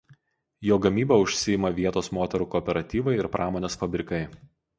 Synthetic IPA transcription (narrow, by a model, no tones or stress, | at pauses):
joːɡɐmʲiːbɐʊʃʲsʲɪjɪmɐʋʲiɛt̪oːsmoːt̪ʲɛɾuːkɔːpʲɛɾɐt̪ʲiːʋɐɪɪɾpɾʔɑːmoːnʲeːsfɐbʲɾʲɪkɐɪ